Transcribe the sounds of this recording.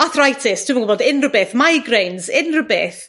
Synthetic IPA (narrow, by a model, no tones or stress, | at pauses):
aθrajtʰɪstʰɪmənɡʊbɔdɪnrəbɪθmajɡrejnzɪnrəbɪθ